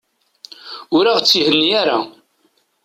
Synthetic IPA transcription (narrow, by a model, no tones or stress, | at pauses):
ʊɾaʁt͡sːihənːijaɾa